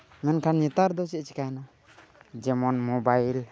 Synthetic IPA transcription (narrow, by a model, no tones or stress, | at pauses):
mɛnkʰanɲɛt̪aɾd̪ɔt͡ʃɛʔt͡ʃi̥kajna | d͡ʒɛmɔnmɔbajil